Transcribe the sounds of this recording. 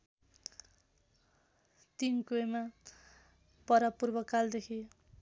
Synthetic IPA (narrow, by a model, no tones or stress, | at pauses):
t̪inkuema | pʌɾapurbʌkald̪ekʰi